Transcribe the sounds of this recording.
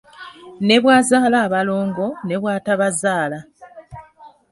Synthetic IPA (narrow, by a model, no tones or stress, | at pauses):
ne̞βwaːzaːlaːβalo̞ːŋɡo̞ne̞βwaːtaβazaːla